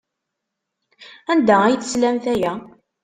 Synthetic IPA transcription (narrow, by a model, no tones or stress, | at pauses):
ænd̪ææjəθəslæmθæjæ